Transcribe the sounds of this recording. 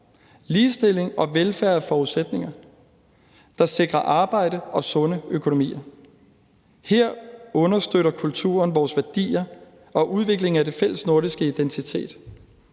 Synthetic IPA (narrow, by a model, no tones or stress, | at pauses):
liːsd̥e̝l̰e̝ŋɒ̽ʋelfæɐfɒːuðˠsed̥ne̝ŋɐ | d̥ɑ̈se̝ɡ̥ʁɐʔɑ̈ːb̥ɑ̈ɪ̰ɾ̥əʔɒ̽sɔ̽nəøkʰo̝no̝mḭːɐ | heɐ̰ɔ̽nɐsd̥øɾ̥ɐkʰult͡sʰṵːɐnʋɒːsʋæɐd̥ḭːɐ | ɒ̽ʔuð̞ˠʋe̝ɡ̥le̝ŋ̩æd̥e̝fel̰əsno̝ɐɾisɡ̥əid̥ent͡sʰit͡sʰe̝̰ːd̥